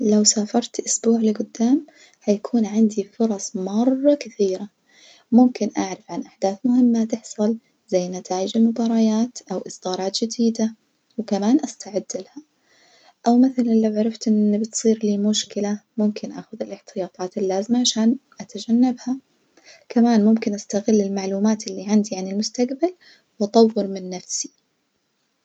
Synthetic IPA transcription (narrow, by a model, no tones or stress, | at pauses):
lawsaːfɑɾˤt̪ʔʊsbuːʕlɪɡʊd̪ːaːm | hajakʰuːnʕɪnd̪ifʊɾˤɑsˤmɑrˤːɑkɪθiːɾa | mʊmkɪnʔaʕɾˤɑfʕanʔaħd̪aːθmʊhɪmːat̪ɪħsˤɨl | z̥ajːnat̪ʰaːʔɪd͡ʒɪlmʊbɑːɾˤɑjaːt̪ʔawʔɨsˤd̪̥ɑːɾˤɑːt̪d͡ʒɪd̪iːd̪a | wkamaːnʔast̪aʕɪd̪ːɪlaha | ʔawmɪθalɪlːawʕaɾˤɑft̪ʔɪnːibɪt̪sˤiːɾliːmʊʃkɪlamʊmkʰɪnʔa̰ːxʊðɪlʔɪħt̪ɪjɑːt̪ˤɑːt̪ɪlːaːzɪmaʕaʃaːnʔat̪ad͡ʒanːabha | kamaːnmʊmkɪnʔast̪aɣɪlːɪlmaʕluːmaːt̪ʔɪlːiʕand̪iʕanɪlmʊst̪aqbal | wʔɑt̪ˤɑwːɪɾmɪnːafsi̥